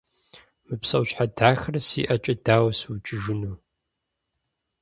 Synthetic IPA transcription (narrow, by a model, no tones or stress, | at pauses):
mɨpsɐwɕħadaːxrɐsḭːʔɐt͡ʃʼɐdaːwɐsut͡ʃʼɪʒɪnuː